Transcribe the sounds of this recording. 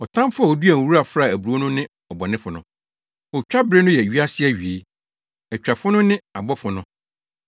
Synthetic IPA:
ɔ˨tʰã˦m˦fʊ˦a˨ɔ˨du˦æ˨wu˦ɾa˨fɾa˦˨æ˨bu˨ɾu˨o˦nʊ̃˦nɪ̃˦ | ɔ˨bɔ˨nɪ̃˦fʊ˨nʊ̃˦˨ | ɔ˨t͡ɕᶣa˦bɾɪ˦nʊ̃˦jɛ˨ɥi˦a˦sɪ˦ɛ˦˨ɥi˨e˨˦ | ɛ˨t͡ɕᶣa˨fʊ˦nʊ̃˦nɪ̃˦a˨bɔ˦fʊ˨nʊ̃˦

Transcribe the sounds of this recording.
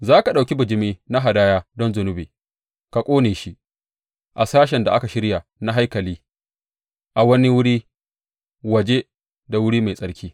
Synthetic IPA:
zaː˦ka˨ɗa˨wkʲi˦bʊ˨d͡ʒɪ˦miː˦na˦ɦa˨daː˦jaː˦dɔ˦nzʊ˨nʊ˦bḛ˨ | ka˨kʷʼoː˦neː˨ʃi˦ | ʔa˨saː˦ʃ̬ɛ˨nda˨ʔa˦ka˨ʃɪ˦ɽja˨na˦ɦa˦jkɐ˨liː˦ | ʔa˨wɐ˦ni˦wʊ˦ɽiː˦ | wɐ˨d͡ʒe˦ | da˨wʊ˦ɽiː˦ma˨jsʼɐ˦ɽkʲʰiː˦

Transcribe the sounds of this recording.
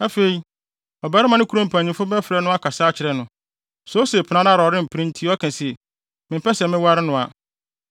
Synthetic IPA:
a˦fe˨i˨ | ɔ˨bɛː˨˦ɾɪ˦mã˨nɪ̃˦kʰu˦ɾõ˦m̩˨pʰã˨ɲĩ˨mfʊ˦bɛ˦fɾɛ˦nʊ̃˦a˦kʰa˨saː˦t͡ɕʰɪ˨ɾɛ˨nʊ̃˨ | so˦se˨pʰnã˨˦na˦ɾɔ˨ɾɪ̃˦m̩˨pʰɾĩ˦n̩˦tʰi˦ɔ˦kʰɛ̃˨sɛ˨ | mɪ̃˨m˦pɛ˦sɛ˨mɪ̃˦wa˦ɾɪ˦nʊ̃˨a˨

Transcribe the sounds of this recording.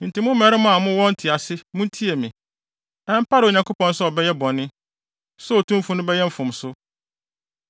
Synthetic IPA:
n̩˨tʰɪ˨mʊ̃˦m˦mɛ˨ɾɪ˦mʊ̃˦a˨mʊ̃˦wɔ̃˦n˦tʰi˨a˨sɪ˦mʊ̃˦n˦tʰi˦e˨mɪ̃˨ | ɛ̃˦m˦pʰa˦ɾɪ˨o˨ɲã˨ŋkʰʊ˦pɔ̃˨n̩˦sɔ˦ɔ˨bɛ˦jɛ˦bɔ̃˨nːɪ̃˦ | sɔ˦o˨tʰũ˦m˦fʊ̃˦nʊ̃˦bɛ˦jɛ˦m̩˦fʊ̃˨m˨sʊ˦

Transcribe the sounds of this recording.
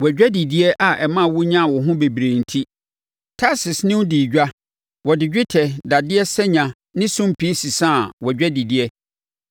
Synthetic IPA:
wɛ˨d͡ʑᶣɛ˦di˨di˦ɛ˦ʔa˨ʔɛ˨mã˦˨wʊ˦ɲã˦˨wɔ˨ɦʊ̃˦be˨bi˨ɾẽ˨n̩˨tʰi˦ | tʰa˦sɪ˨snɪ̃˦wdi˨d͡ʑᶣa˦ | wɔ˨dɪ˨d͡ʑᶣɪ˦tʰɛ˨da˨dɪ˦ɛ˦sɛ˦ɲã˨ | nɪ̃˦sʊ̃˦m˨pʰi˦si˨sã˦˨wɔ˨d͡ʑᶣɛ˦di˨di˨ɛ˦

